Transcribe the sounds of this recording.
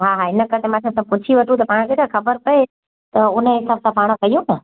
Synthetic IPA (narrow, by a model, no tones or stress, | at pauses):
ɦaːɦaɪnəkɐɾt̪ʰemãkʰãsɐb̚pʊt͡ɕʰiʋɐʈʰũt̪̬ɐpaːɽ̃kʰet̪ʰãxɐbəɾpɐe | t̪ɐʊnəɦɪsaːbsãpaːɽ̃kɐjũnə